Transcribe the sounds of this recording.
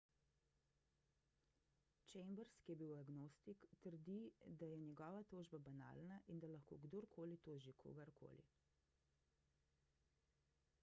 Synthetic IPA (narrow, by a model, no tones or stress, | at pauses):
t͡ʃɛjmbəɾskijɛbiwaɡnoːst̪ikt̪əɾd̪id̪ajɛnjɛɡɔːʋat̪oːʒbabana̰lnaʔind̪alaxko̰ːɡd̪oɾkʰoːlit̪oːʒikʰo̰ːɡaɾkʰo̰lḭ